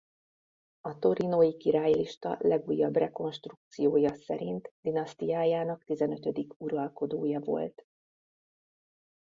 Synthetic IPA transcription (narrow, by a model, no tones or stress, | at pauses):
ɒt̪o̞ɾinojikiɾaːjliʃt̪ɒ̰lɛɡuːjːɒbrɛko̞nʃt̪ruk̚t̪sijoːjɒsɛ̰ɾint̪d̪̥inɒst̪ijaːjaːnɒkt̪izɛnø̞t̪ø̞d̪ikuɾɒlko̞d̪oːjɒvo̞̰lt̪